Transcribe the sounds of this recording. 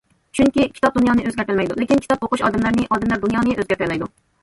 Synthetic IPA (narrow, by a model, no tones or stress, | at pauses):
t͡ʃʰyŋkʲikʲʰi̥t̪ʰɑp̚d̪unjɑːnɨʔøzɡʲɛæɾt̪ɪlmɛjd̪ulɪkʲinkʲʰi̥t̪ɑp̚oqʊʃɑ̰ːd̪ɛmlæɾnɪʔɑːd̪ɛmlæɾd̪unjɑːnɨʔøzɡʲæɾt̪ɪɾlːɛjd̪u